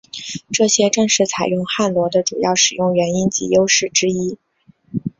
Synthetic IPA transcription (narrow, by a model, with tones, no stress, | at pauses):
ʈ͡ʂɤ˥˩ɕjɛ˥ʈ͡ʂɤ˥˧ŋʂɻ̩˥˩t͡sʰa˨˩ɪjʊ˥˧ŋxa˥˩nlwɔ˧˥d̪ə˧ʈ͡ʂu˨˩jɑ˥˩ʊʂɻ̩˨˩jʊ˥˩ŋɥɛ˧˥ni˥nt͡ɕḭ˧˥jo˥ʊʂɻ̩˥˩ʈ͡ʂɻ̩˥i˥